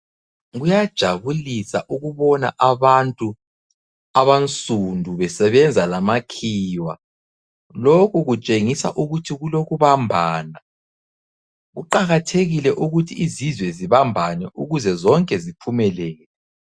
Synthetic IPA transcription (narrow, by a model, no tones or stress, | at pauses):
ɣujad̥ʒ̥ʱaβulisa̰ʔuɣuβɔna̰ʔaβantʼu | aβant͡sʼundʱuβɛsɛβɛnd͡zʱalamakʰiːwa | lokʰuɣut͡ʃʼeŋisa̰ʔuɣutʰiɣuloɣuβambʱaːna | ɣuǃaɣatʰeɣilɛʔuɣutʰiizizwɛziβambʱanɛʔuɣuzɛzɔŋkʼɛzipʰumɛlɛːɣɛɛ